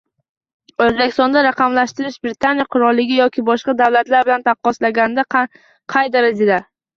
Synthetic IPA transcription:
ɵzbekʲɪ̥st̪ɒnd̪aɾaqɑmlaʃt̪ɪɾɪʃbɾɪt̪ʰanɪjaqʰʊɾɒlˠːɪɡʲɪjɒkʲʰɪbɒʃqɑd̪awlat̪laɾbɪlant̪ʰɑqːɒslaɡʲanɪd̪a | qʰɑjd̪aɾad͡ʒad̪a

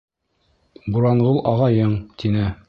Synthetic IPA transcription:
buɾɑɴʁɤlˠʔɒʁɑjɤɴt̪inɘ

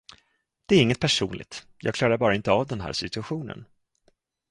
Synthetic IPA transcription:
d̪̥ɛæɾɪŋːət̪̚pʰæʂṵːnlɪ̰ɡ̚t̪ | jɑːɡkʰlɑːɾaɾbɑːɾaɪnt̪əavd̪ɛnɦæ̰ːɾʂɪt̪ɵaɧuːnə̰n

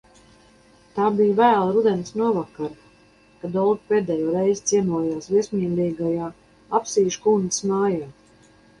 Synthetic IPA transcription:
t̪aːbijvæːlˠaɾud̪ɛnsnuɔvakaɾ | kad̪ɔlɡpeːd̪ɛːjɔɾɛjzt̪siɛnuɔjaːsviɛsʲmʲiːlʲiːɡajaː | apsiːʃkuːnd̪ismaːjaː

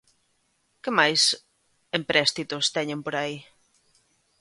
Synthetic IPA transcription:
kɪmajs | empɾɛst̪it̪ʊst̪ɛɲẽmpoɾai

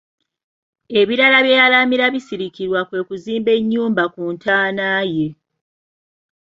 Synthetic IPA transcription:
e̞βiɾalaβjejalamiɾaβisiɾikiɾwakwe̞ːkuziːmbe̞ɲːuːmbakuntʰaːnaːje

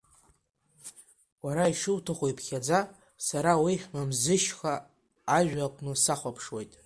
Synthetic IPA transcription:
waɾaiʂɨwtʰaχʷojpʰχʲad͡za | saɾawiχʲnamzɨʃχaː | ʒᶣaqʷʼnɨsaχʷapʰʂwejtʼ

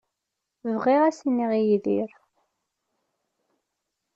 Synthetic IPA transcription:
vʁiʁæsnːiʁijðiɾ

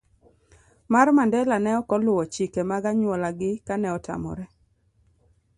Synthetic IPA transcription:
marmandɛlanɛɔkɔlʊwɔt͡ʃikemaɡaɲwɔlaɡɪkanɛɔta̰mɔ̰ɾɛ

